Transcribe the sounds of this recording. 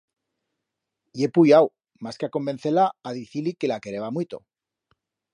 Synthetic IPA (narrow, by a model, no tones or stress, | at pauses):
je̞pujaw | maskeako̞mben̟θelaːðiθilike̞lake̞ɾe̞βamwit̪o̞̰